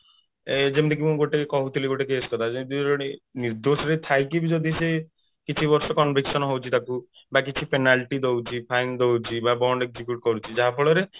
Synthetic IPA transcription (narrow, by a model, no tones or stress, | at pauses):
ed͡ʒemd̪ikimũɡoʈekekɔɦut̪ʰiliɡoʈekeskɔt̪ʰad͡ʒed̪iɔɽ̃iniɾd̪osɔɾet̪ʰajkibid͡ʒɔd̪ʱise | kit͡ʃʰibɔɾsɔkɔnbʱiksɔnɔɦowt͡ʃʰit̪aku | bakit͡ʃʰipenalʈid̪owt͡ʃʰipʰajnd̪owt͡ʃʰibabɔɳɖeɡzikuʈ̚kɔɾut͡ʃʰid͡ʒaɦapʰɔɭɔɾe